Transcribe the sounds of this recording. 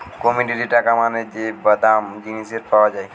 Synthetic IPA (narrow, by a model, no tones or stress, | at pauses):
komiɖiɖiʈakamaned͡ʒebəd̪amd͡ʒiniseɾpawad͡ʒae